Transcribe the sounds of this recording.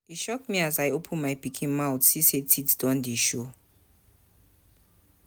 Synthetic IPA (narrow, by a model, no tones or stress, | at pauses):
itʃɔk̚miazajopʰə̃nmajpikʰĩnmaʊtsisetʰiddɔ̃ndiʃo